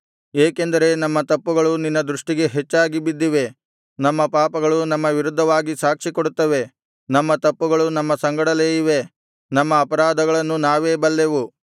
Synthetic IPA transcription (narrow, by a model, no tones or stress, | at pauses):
eːke̞nd̪ɐɾe̞nɐmːɐt̪ɐpːuɡɐɭuninːɐd̪ɾuʂʈiɡe̞ɦet͡ʃːaːɡibid̪ːiʋe̞ | nɐmːɐpaːpɐɡɐɭunɐmːɐʋiɾud̪ʱːɐʋaːɡisaːkʂikoɽut̪ːɐʋe̞ | nɐmːɐt̪ɐpːuɡɐɭunɐmːɐsɐŋɡɐɽɐleːiʋe̞ | nɐmːɐːpɐɾaːd̪ɐɡɐɭɐnːunaːʋeːbɐlːe̞ʋu